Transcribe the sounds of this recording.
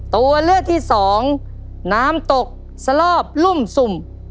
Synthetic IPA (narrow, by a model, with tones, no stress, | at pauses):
t̪u˧ɐlɯ˥˩ək̚t̪ʰiː˥˩sɔː˩˦ŋ | naː˦˥mt̪o˨˩k̚ | sa˧lɔː˥˩p̚lu˥˩msu˨˩m